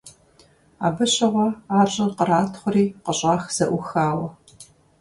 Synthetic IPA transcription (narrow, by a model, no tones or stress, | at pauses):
aːbɨɕɐʁʷɔaːɕʼɪqəɾaːtʰχʷʊriːqəɕʼɑːxz̥ɐʔʷʊxaːwɐ